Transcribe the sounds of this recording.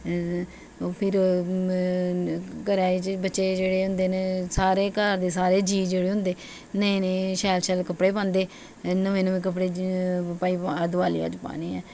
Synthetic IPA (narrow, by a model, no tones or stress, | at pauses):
pʰɪɾ | kəɾaːiːt͡ʃbətːʃeːd͡ʒeːɽeːʊ̃nd̪eːneːsaːɾeːkaɾd̪eːsaːɾeːd͡ʒiːd͡ʒeːɽeːɦʊ̃nd̪eː | nẽneːʃɛːlʃɛːlkəpɽeːpãːnd̪eː | nəʋeːnʋẽːk̬əp̬ɽeːpaːiːd̪ʋaːlḭa̰ːd͡ʒpa̰ːniːɛː